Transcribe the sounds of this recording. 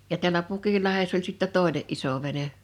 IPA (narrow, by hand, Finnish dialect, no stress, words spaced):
jɑ tiælʲæ pukilːɑhesː ol sitːæ toˑeneʔ ʔiso ʋene